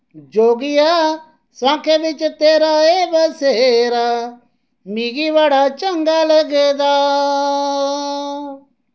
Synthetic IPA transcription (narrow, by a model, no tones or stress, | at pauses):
d͡ʒoːɡɪja | sãːkʰeʋɪt͡ʃt̪eːɾaeːbɐseɾa | miːɡiʋaːɽat͡ʃə̃ŋɡalɐɡeːd̪a